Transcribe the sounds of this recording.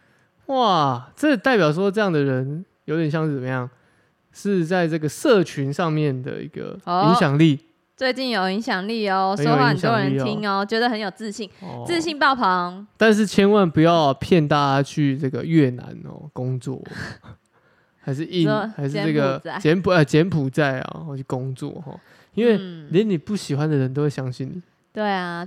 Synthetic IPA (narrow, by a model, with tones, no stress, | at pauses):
wa˥˨˩ʈ͡ʂə˥˩t̪a˥˩ɪpjɑ˨˩ʊʂ̬wɔ˥ʈ͡ʂɤ˥˧jɑ˥˩ŋd̪ə˩ɻə˨˦njo˧˦t̪jɕjɑ˥˧ŋʂ̩˥˩t͡sə˨˩mə˦jɑ˥˩ŋ | ʂɻ̩˥˧t͡sa˥˧ɪʈ͡ʂɤ˥˩ɡə˩sɤ˥˧t͡ɕʰy˧˦nʂɑ˥˧ŋmjɛ˥˨˩nd̪ə̰˩ḭ˧˥ɡ̥ə̰˨˩i˧˦˥ŋɕjɑ˨˩ŋli˥˨˩ | t͡swe˥˧ɪt͡ɕi˥˩njo˨˩ʊi˧˥ŋɕjɑ˨˩ŋli˥˩o˨˩ə˦n˥jo˨i˥˧ə˥ŋ˨no˥ɻə˧˦in˥˨tʰi˦˥ŋo˧t͡ɕɥɛ˧˥d̪ə˨xə˧˦njo˨˩ʊt͡sɹ̩˥˧ɕi˥˩ŋ̰˧t͡sɹ̩˥˧ɕi˥˧ŋpɑ˥˩ʊpʰɑ˨˧˥ŋt̪a˥˧nʂ̬ɻ̩˥˩t͡ɕʰjɛ˦nwa˥˨npu˨jɑ˥˨ʊpʰjɛ˥˨nt̪a˥˧a˥t͡ɕʰy˥˧ʈ͡ʂɤ˥˩ɡə˩ɥɛ˥˩na̰˧˦nxɔ̰˨˩ko˦ŋt͡swɔ̰˥˨˩ | xa˧˥ɪʂ̬ɻ̩˥˧i˥˩xa˧˥ɪʂɻ̩˥˧ə˥˩ɡə˩˨˥t͡ɕjɛ˧˦npʰu˨˧˩t͡ɕjɛ˨˥npʰu˨˩t͡sa˥˩ɪa̰˨˧t͡ɕʰy˥˩ko˦˥ŋt͡swɔ̰˥˨xɔ̰˨˩ | i˦nwwe˥˧ɪlɛ˥˦ni˨˩pu˥˩ɕi˨˩xwa˦nd̪ə˨˩ɻə˧˦nt̪o˥ʊwe˥˩ɕjɑ˥ŋɕi˥˩nni˨˩ | t̪we˥˩ɪa˨˩